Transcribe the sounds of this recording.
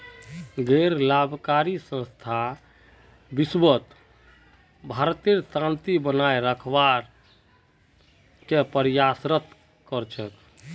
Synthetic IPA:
ɡeɾlabʱkaɾisə̃st̪ʰa | bisbət̪ | bʱaɾt̪iɾt̪ãnt̪ibənaeɾəkʰbaɾ | kepəɾjasɾət̪ | kəɾt͡ʃʰək

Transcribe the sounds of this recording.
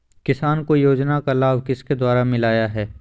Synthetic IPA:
kɪsaːnkojoːd͡ʒnakalaːʋkɪsked̪waːɾamɪlaːjaɦɛː

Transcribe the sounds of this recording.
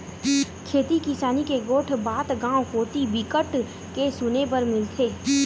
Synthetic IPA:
kʰeːt̪ikiʃaːnikeɡoːʈʰbaːd̪ɡãːwkoːt̪ibɪkəʈ | kesʊnep̬ɐɾmɪlt̪ʰeː

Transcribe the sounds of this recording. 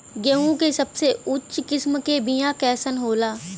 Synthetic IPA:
ɡɛũkesɐbseʊtːt͡ʃkɪsmkebɪjãkɛːsənɦoːlaː

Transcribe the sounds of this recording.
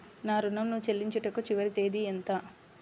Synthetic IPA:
naːɾunːɐmnuʋt͡ʃelːiɲt͡ʃɐʈɐkut͡ʃiʋɐɾit̪eːd̪ient̪a

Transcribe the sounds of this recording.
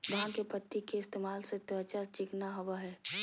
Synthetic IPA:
ʋɐɦãkepət̪ːikeɪst̪eːmaːlset̪ət͡ʃat͡ʃɪknaɦɐwaɦɛː

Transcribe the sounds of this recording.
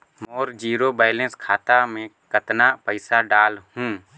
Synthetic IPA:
moːɾd͡ʒiːɾobaːɪlẽnskʰaːt̪amẽkət̪napəɪsaɖaːlhũː

